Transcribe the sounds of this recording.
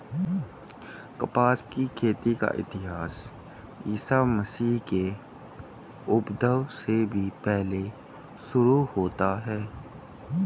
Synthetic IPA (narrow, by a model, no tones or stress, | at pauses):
kɐpaːskikʰeːt̪ika̰ʔɪ̰t̪ɪɦaːs | jiːsaməsiːɦke | ʊbd̪əwsebʱipɛɦle | ʃʊɾuhoːt̪aɦɛː